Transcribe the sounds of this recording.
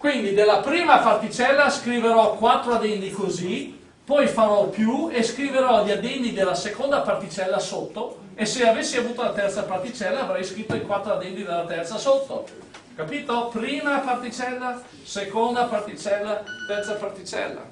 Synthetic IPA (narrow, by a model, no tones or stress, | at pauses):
kwind̪id̪elːapɾiːmapart̪it͡ʃɛlːaskɾiveɾɔkwat̪ːɾoad̪ɛnt̪ikozi | pɔjfaɾɔpjueskɾiveɾɔʎːad̪ɛnːid̪elːasekond̪apart̪it͡ʃɛlːasot̪ːo | esːeavesːiavuːt̪olat̪ɛrt̪sapart̪it͡ʃɛlːaːvɾɛjskɾit̪ːoikwat̪ːɾoad̪ɛnt̪id̪elːat̪ɛrt̪sasot̪ːo̰ | kapiːt̪opɾiːmapart̪it͡ʃɛlːa | sekond̪apart̪it͡ʃɛlːat̪ɛrt̪sapart̪it͡ʃɛ̰lːa̰